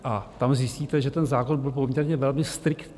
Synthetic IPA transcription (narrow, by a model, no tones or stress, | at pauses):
ʔat̪amzjɪsciːt̪ɛʒɛt̪ɛnzaːko̞nbɪlp̬o̞mɲɛɾɲɛvɛlmɪst̪ɾɪkt̪